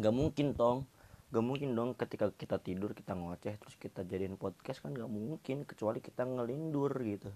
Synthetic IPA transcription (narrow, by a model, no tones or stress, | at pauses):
ŋɡaʔmuŋkɪnt̪ɔŋɡaʔmuŋkɪndɔŋkət̪ikakit̪at̪idʊrki̥t̪aŋɔt͡ʃɛht̪əɾʊskit̪ad͡ʒadinpɔd̪̚kaskanɡaʔmuŋkɪnkə̥t͡ʃualiki̥t̪aŋəlindʊrɡit̪u